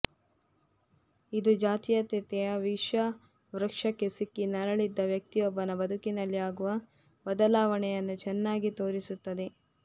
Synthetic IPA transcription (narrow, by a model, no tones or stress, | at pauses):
id̪ud͡ʒaːt̪ijɐt̪it̪ɛjɐʋiʂɐ | ʋɾɐkʂɐkːesikːinɐɾɐɭid̪ːɐʋjɐk̚t̪ijɔbːɐnɐbɐd̪ʱukinɐlːiaːɡuʋɐ | bɐd̪ɐlaːʋɐɳɛjɐnːut͡ʃɛnːaːɡit̪o̞ːɾisut̪ːɐd̪e̞